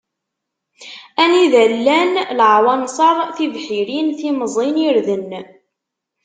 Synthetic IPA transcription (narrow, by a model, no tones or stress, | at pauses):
æniðælːænlʕwɑnsˤɑɾˤθivħiɾinθiməzˤiniɾðən